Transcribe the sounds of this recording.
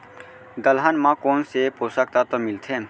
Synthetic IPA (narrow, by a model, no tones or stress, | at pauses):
d̪əlɦanmãkoːnsepoːsək̚t̪at̪omɪlt̪ʰẽː